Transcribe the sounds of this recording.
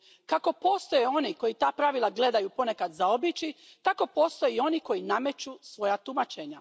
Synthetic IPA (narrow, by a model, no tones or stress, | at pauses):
kako̞po̞ːst̪o̞jeo̞niko̞jit̪aːpɾaʋilˠaɡle̞d̪ajupo̞ne̞kad̪zaobit͡ɕi | t̪ako̞po̞ːst̪o̞jio̞niko̞jiname̞t͡ɕusʋo̞jat̪umat͡ʃeɲa